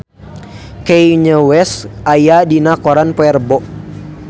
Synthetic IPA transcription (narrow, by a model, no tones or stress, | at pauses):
kejɲəwɛsajadinakɔɾanpɔɛrbɔʔ